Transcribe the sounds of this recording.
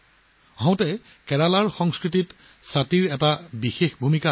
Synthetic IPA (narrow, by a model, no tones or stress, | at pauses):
ɦɔ̃ʊ̃tɛ | kɛɹalaɹxɔŋskɹitit | satiɹɛtabixexbʱumika